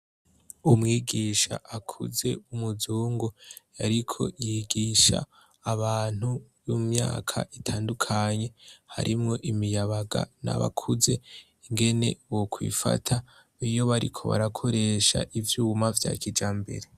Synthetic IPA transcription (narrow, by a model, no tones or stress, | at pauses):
umŋiːɡiːʃa̰ʔakʰṵze̞umuzuːŋɡojaɾikʰo̞̰jiɡiːʃa̰ː | βaːn̥hu | jumɲaːkʰa̰ʔitʰaːndukʰaɲe̞haɾʔimŋo̞ʔimijaβaɡa̰na̰βa̰kʰuze̞ | ŋɡe̞ne̞̰wokʰwḭfa̰tʰa | ijo̞βaɾikʰo̞̰βa̰ɾakʰo̞ɾe̞ʃa̰ʔivjumavja̰ːkid͡ʒaːmbe̞̰ɾe